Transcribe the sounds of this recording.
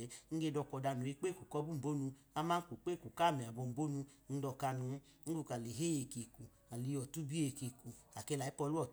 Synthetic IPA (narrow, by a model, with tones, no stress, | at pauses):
ŋ̩˦ɡe˧dɔ˧kɔ˧da˧nu˨e˧˦k͡pe˦˨ku˨kɔ˧˦bu˦m̩˨bo˦nu˧ | a˦ma˦ku˨k͡pe˦˨ku˨ka˦˨mi˨a˨bo˧˨m̩˨bo˦nu˧ | n̩˦dɔ˧ka˧nu˧˦ | ŋ̩˦ɡu˦˧˨ka˨le˨ɦe˦je˧˨ke˨ku˨ | a˨li˧˦jɔ˨tu˦bi˦e˧˨ke˧ku˨ | a˨kɛ˧la˨i˦pɔ˧lu˦ɔ˦˨